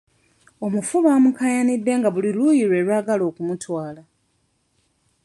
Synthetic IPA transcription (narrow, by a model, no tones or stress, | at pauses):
o̞mufuβaːmukajanidːe̞ːŋɡaβulilujiɾwe̞ːɾwaːɡalo̞ːkumutwaːla